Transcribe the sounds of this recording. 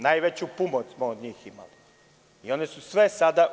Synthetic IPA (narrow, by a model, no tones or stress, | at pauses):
najʋet͡ɕupumot̪smood̪ɲiːxima̰li | io̞nesusʋe̞sad̪a